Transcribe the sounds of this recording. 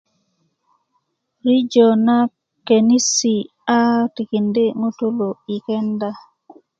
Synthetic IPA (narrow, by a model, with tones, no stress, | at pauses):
ɾi˦d͡ʒo˨na˦ | ke˨ni˦si˨ | a˦ti˨ki˨nde˦ŋo˦tu˦lo˨i˨kɛ˦nda˦